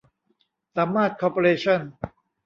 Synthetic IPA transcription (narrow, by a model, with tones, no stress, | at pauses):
sa˩˦mːaː˥˩t̪̚kʰɔː˧po˧ɾeː˧t͡ɕʰɔ˥˩n